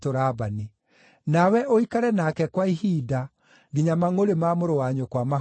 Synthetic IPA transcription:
toɾabani | nawɛʔoikaɾɛnakɛkwaihiːda | ɡiɲamaŋoɾemamoɾowaɲokwama

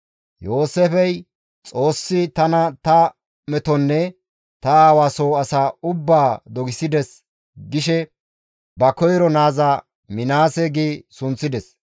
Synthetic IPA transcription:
jo̞ːsɛfɛj | t͡sʼo̞ːsːɪt̪ɐnɐt̪ɐ | mɛt̪ɔnːɛ | t̪ɐaːwaːsoːɐsaːʊbːaːd̪ɔɡɪsɪd̪ɛs | ɡɪʃɛ | bɐkɔjɾɔnaːzaː | mɪnaːsɛɡiːsʊnt͡sːɪd̪ɛs

